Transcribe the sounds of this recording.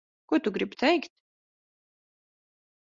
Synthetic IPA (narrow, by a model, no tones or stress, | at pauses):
kʊt̪uɡɾibt̪ʰɛjkt̪